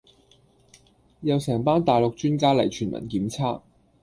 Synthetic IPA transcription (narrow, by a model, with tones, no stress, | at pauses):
jɐ˨wsɛː˨˩ŋpaː˥nt̪aː˨jlo˨k̚t͡ʃyː˥nkaː˥lɐ˨˩jt͡ʃʰyː˨˩nmʔɐ̰˨˩nkiː˨˥mt͡sʰaː˥k̚